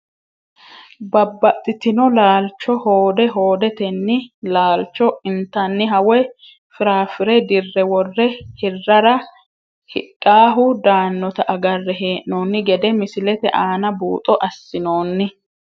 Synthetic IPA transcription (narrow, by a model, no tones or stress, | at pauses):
bɐbːɐt̪ʼːɪt̪ɪnɔlaːlt͡ʃːɔhoːd̪ɛɦo̞ːd̪ɛt̪ɛnːɪlaːlt͡ʃːɔɪnt̪ːɐnːɪɦɐwɛ | fɪɾaːfɪɾɛd̪ɪrːɛwɔrːɛhɪrːɐɾɐ | hɪ̰kʼːaːɦʊd̪aːnːɔt̪ɐʔɐɡɐrːɛɦeːʔnoːnːɪɡɛd̪ɛmɪsɪlɛt̪ɛʔaːnɐbuːt̪ʼɔʔɐsːɪnoːnːɪ